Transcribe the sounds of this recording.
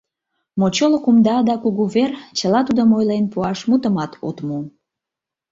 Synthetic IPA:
mot͡ɕolokumd̪ɑd̪ɑkuɣuβert͡ɕəlɑt̪ud̪omojlenpuɑʃmut̪əmɑt̪ʰo̰t̪mu

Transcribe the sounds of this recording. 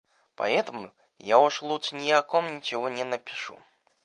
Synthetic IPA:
pa̰ɛt̪ɐmṵ | jaɔʂlˠuʂnʲijakɔmnʲit͡ɕɪɣɔnʲɛnɐpʲi̥ʂṵ

